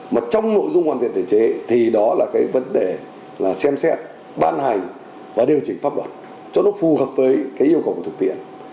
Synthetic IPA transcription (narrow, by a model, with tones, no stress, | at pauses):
maː˨˩t͡ɕɔ˧wŋ͡mno̰˧˨jzʊ˧ŋ͡mhwaː˨˩nt̪ḭ˧˨ə˨t̪ʰe˧˩t͡ɕe˨˦t̪ʰi˨˩ɗɔ˨˦laː˨˩kaː˨˦jvə˨˦nɗe˨˩ | laː˨˩sɛ˧msɛ˦˥t̚ | ɓaː˧nɦa˨˩jŋ̟ | vaː˨˩ɗi˨˩əwt͡ɕï˨˩ŋ̟faː˦˥p̚lwə̰˨˩t̚ | t͡ɕɔ˧nɔ˨˦fu˨˩həː˨˩p̚vəː˨˦jkaː˨˦jʔi˧əkə˨˩wkːt̪ʰk̚t̪ḭ˧˨ən